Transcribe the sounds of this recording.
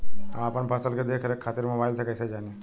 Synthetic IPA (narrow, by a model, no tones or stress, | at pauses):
aapəɳpʰasəlked̪ekʰɾekʰːat̪iɾmɐ̃ʋajlsʰekəjsed͡ʒaːni